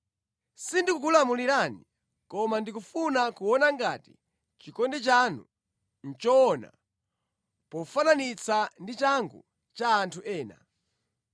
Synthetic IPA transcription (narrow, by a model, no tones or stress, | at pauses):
sindikukulamuliɾani | kɔmandikufunakuwɔnaŋɡati̥ | t͡ʃikɔndɛt͡ʃanṵ | n̩t͡ʃɔɔna̰ | pɔfananit͡sʰandit͡ʃaŋɡṵ | t͡ʃaːntʰuʔɛːna̰